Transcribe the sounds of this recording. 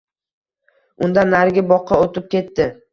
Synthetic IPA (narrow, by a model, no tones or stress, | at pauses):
ʊnd̪anːaɾɡʲɪbɒqʰːɑot̪ɪp̚kʲe̞t̪ːɪ